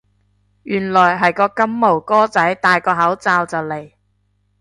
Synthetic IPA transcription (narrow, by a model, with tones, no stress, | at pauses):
jyː˨˩nlɔː˨˩jɦɐ˨jkɔː˧kɐ˥mːo˨˩wkɔː˥t͡sɐ˨˥jt̪aː˨jkɔː˧ɦɐ˨˥wt͡saː˧wt͡sɐ˨wle˨˩j